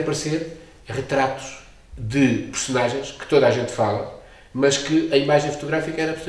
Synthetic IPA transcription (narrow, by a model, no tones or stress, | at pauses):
pɐɾseɾ | ʁɨt̪ɾat̪u̥ʃ | ðɨpɨɾsunaʒẽj̃ʃkɨ̥t̪oðaʒẽnt̪falˠɐ | mɐʃkɨɐimaʒẽj̃fu̥t̪uɣɾafikɐɛɾɐpɾs